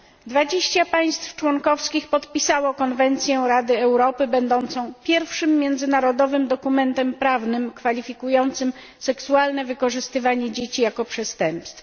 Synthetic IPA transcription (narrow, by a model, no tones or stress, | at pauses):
d̪vad͡ʑeɕt͡ɕapaj̃st̪ft͡ʂwɔŋkɔfskʲixpɔt̪pʲisawɔkɔnvɛnt̪sʲjɛɾad̪ɘɛwɾɔpɘbɛnd̪ɔnt̪sɔ̃w̃pʲjɛɾfʂɘmːjɛnd̪zɘnaɾɔd̪ɔvɘmd̪ɔkumɛnt̪ɛmpɾavnɘmkfalʲifʲikujɔnt̪sɘm | sɛksualnɛvɘkɔʐɘst̪ɘvaɲɛd͡ʑet͡ɕijakɔpʂɛst̪ɛmpst̪f